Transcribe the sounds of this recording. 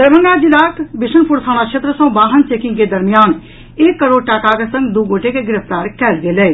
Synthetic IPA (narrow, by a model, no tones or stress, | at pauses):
d̪əɾbʱə̃ŋɡad͡ʒilaːkbɪʃənpuɾsʰaːɽ̃akʃʰet̪ɾəsə̃baːɦənt͡ʃeːkɪ̃ŋɡked̪əɾmijaːn | eːkːəɾoːɖ̚ʈaːkakesə̃ŋɡd̪uːɡoːʈekeɡɪɾəft̪aːɾkɛːlɡeleː